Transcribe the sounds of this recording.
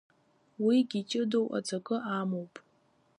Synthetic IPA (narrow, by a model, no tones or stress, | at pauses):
wiɡʲit͡ʃʼɪdowʔa̰d͡zʰakʼɨʔamowpʼ